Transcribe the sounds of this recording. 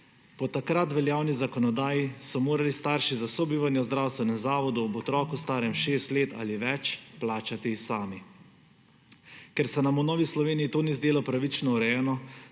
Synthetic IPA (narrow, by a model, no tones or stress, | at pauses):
pɔt̪akɾat̪ʋɛljaːwnizakɔnɔd̪aːjisɔmoːɾalist̪aːɾʃizasɔbiːʋanjɛzd̪ɾawst̪ʋɛnɛzaːʋɔd̪uɔbɔt̪ɾɔːkust̪aːɾɛmʃeːst̪leːt̪a̰liʋɛt͡ʃplaːt͡ʃat̪isaːmi | kɛɾsɛnamunɔːʋislɔʋeːnijːt̪oːnizd̪eːlɔpɾaʋit͡ʃnɔuɾɛjɛːnɔ